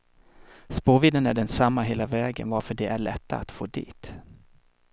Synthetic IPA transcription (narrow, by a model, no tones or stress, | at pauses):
spoːviːd̪ənæɖɛnsamːaɦeːlavɛːɡə̰nvaɾfœɖɛʔæɭɛt̪ːa̰a̰t̪foːd̪ḭːt̪